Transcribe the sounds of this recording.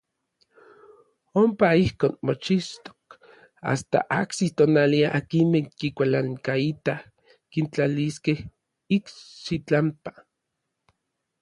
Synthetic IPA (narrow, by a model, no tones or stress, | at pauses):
ompaihkoːnmot͡ʃist̪o̥k | a̰st̪a̰ʔa̰ksit̪onaliaʔakinmeŋkikʷalaŋkait̪ah | kint͡ɬaliskeh | iksit͡ɬampḁ